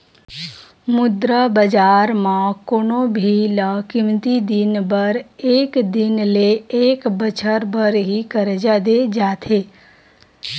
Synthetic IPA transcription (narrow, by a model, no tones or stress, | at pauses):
mʊd̪ɾəbəd͡ʒaːɾmãkonobʱiləkɪmt̪id̪ɪnbəɾeːkd̪ɪnleeːkbət͡ʃʰəɾbəɾɦikəɾd͡ʒad̪ed͡ʒaːt̪ʰeː